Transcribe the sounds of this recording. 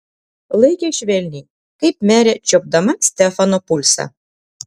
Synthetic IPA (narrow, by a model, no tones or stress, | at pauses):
lˠejkʲeɕβelʲnʲi | kɤjp̚mæɾʲet͡ɕop̚d̪ɑmɑsʲt̪efanopulʲsɑ̰